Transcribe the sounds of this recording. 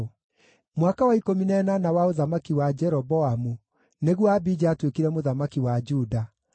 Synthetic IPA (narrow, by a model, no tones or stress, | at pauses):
mwakawaikominɛnanawaoðamakiwad͡ʒɛɾɔbɔamu | neɣwɔabid͡ʒaːtwekiɾɛmoðamakiwad͡ʒuda